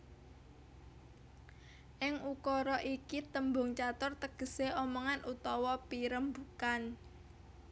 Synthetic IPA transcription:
ʔɪŋukɔɾɔʔikit̪əmbʊ̤ŋt͡ʃat̪ʊrt̪əɡ̥ə̤seɔmɔŋanʔut̪ɔwɔpiɾəmbukan

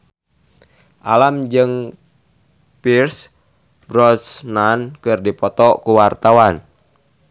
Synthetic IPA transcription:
ʔalamd͡ʒɨŋ | pirs | bɾɔsnankɨrdipɔt̪ɔkuwart̪awan

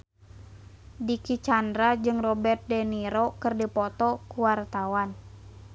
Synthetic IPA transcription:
dikit͡ʃandɾad͡ʒɨŋrɔbɛrt̪̚dɛniɾɔkɨrdipɔt̪ɔkuwart̪awan

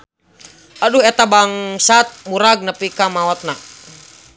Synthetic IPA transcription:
ʔaduhɛt̪abaŋsat̪̚muɾaɡ̚nəpikamawɔt̪̚na

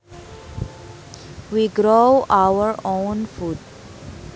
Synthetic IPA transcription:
ʋiːɡɾoʊaʊəɾõːnfuːɖ

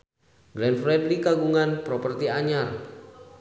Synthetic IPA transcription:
ɡlɛnfɾɛdlikaɡuŋanpɾɔpərt̪iaɲar

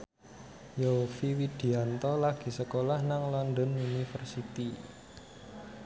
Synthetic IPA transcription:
jofiwid̪̥i̤ant̪ɔlaɡ̥i̤səkolahnaŋlɔndɔnunifərsit̪i

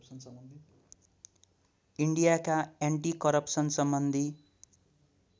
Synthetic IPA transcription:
ni | iɳɖijakajaɳʈikʌɾʌpsʌnsʌmbʌnd̪ʱi

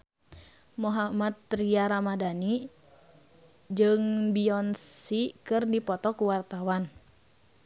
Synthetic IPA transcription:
moɦamat̪ːɾiaɾamadani | d͡ʒɨŋbiɔnsikɨrdipɔt̪ɔkuwart̪awan

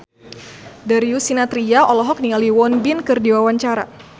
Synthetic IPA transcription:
daɾiusinat̪ɾiaʔɔlɔɦɔk̚nialiwɔnbinkɨrdiwawaɲt͡ʃaɾa̰

